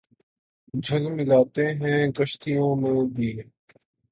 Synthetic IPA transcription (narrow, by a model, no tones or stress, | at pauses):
d͡ʒʱəlmɪlaːt̪eːɦɛ̃ːkəʃt̪ijõːmẽːd̪iːe